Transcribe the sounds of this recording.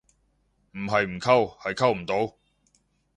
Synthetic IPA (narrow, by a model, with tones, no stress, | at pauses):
m̩˨˩ɦɐ˨jm̩˨˩kʰɐ˥˧whɐ˨jkʰɐ˥wm̩˨˩t̪o˨˥w